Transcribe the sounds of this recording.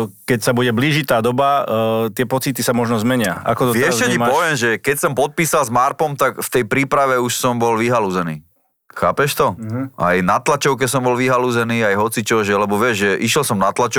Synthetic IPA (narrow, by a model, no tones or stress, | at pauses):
kɛcsabuɟɛbliːʒit̪aːd̪ɔbat̪ɪɛpɔt͡sit̪isamɔʒnɔzmɛɲɪa̰a̰kɔt̪ɔɪɛʃɛimpɔʋɪɛmʒɛkɛcsɔmpɔt̪̚piːsalzmaɾpɔmt̪akft̪ɛjpɾiːpɾaʋɛuʃsɔmbɔlʋiɦaluzɛnḭː | xaːpɛʃt̪ɔʔa̰jnat̪lat͡ʃɔʊk̬ɛsɔmbɔlʋiɦaluzɛniːajɦɔt͡sit͡ʃɔʒɛlɛbɔʋɪɛʒʒɛʔiʃjɛlsɔmnat̪lat͡ʃɔ